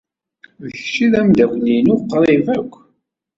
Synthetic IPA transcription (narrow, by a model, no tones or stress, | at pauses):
vəçt͡ʃiðæmd̪æɡʷlinʊqːɾˤivækʷː